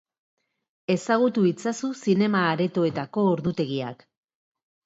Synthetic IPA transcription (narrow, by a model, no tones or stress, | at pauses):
e̞saɣ̞ut̪uit͡sasusine̞maːɾe̞t̪o̞e̞t̪ako̞ːɾðut̪e̞ɣia̰k